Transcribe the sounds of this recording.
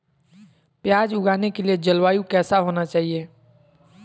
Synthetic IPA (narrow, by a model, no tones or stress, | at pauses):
pjaːd͡ʒʊɡaːnekelied͡ʒəlwaːjũkɛːsaɦoːnat͡ʃaːɦieː